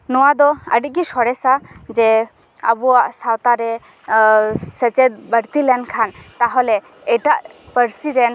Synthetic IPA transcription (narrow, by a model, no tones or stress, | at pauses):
nɔwad̪ɔə̰ɖit̪̚ˀɡisɔɽɛsad͡ʒɛ | ə̰buwaʔsawt̪aɾɛ | sɛt͡ʃɛt̪̚bəɾt̪ilɛnkʰant̪aɦɔlɛ | ɛʈaʔpəɾsiɾɛn